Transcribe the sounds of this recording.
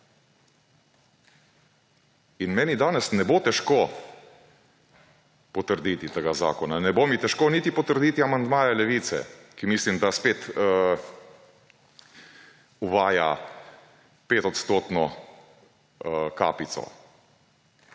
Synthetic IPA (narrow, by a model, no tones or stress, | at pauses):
inmɛːnid̪aːnɛsnɛboːt̪ɛʃko | pɔt̪əɾd̪iːt̪it̪eɡaza̰ːkɔnanɛboːmit̪ɛʃkoːniːt̪ipɔt̪əɾd̪iːt̪iamand̪maːjɛlɛʋiːt̪sɛ̰kimislimd̪aspeːt̪ | uʋaːja̰ | peːt̪ɔt̪st̪oːt̪nɔ | ka̰ːpit̪sɔ̰